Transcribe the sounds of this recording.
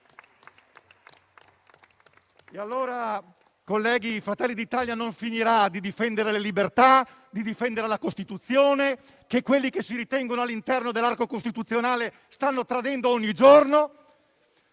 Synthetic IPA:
ealːoːɾa | kolːɛːɡiːfɾat̪ɛlːid̪iːt̪aljanoɱfiniɾad̪id̪ifɛnd̪eɾelelibert̪a | d̪id̪ifɛnd̪eɾelakost̪it̪ut̪sːjoːne | kekːwelːikesːiɾit̪ɛŋɡonoalːint̪ɛrnod̪elːarkokost̪it̪ut̪sːjonaːle | st̪anːot̪ɾad̪ɛnd̪oɔɲːid͡ʒorno

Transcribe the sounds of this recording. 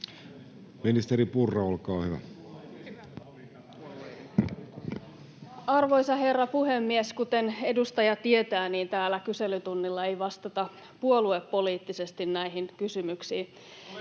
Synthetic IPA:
minist̪eɾipurːɑolkɑːhyʋæ̰ | ɑrʋo̞jsɑhe̞rːɑpuhe̞mːieskut̪e̞ne̞dust̪ɑjɑt̪ie̞t̪æːniːnt̪æːlːˑækyse̞lyt̪unːilːɑe̞jʋɑst̪ɑt̪ɑ | puo̞luepːo̞liːt̪ːise̞st̪innæiɦinkysymyksiː

